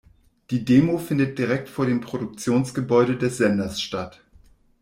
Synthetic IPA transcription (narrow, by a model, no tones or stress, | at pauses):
d̥iːdeːmofɪndət̚d̥iʁɛk̚tfoːɐɾeːmpʁ̥oɾʊk̚t͡sjoːnsɡ̥əbɔʏɾədɛsz̥ɛnɐsʃtat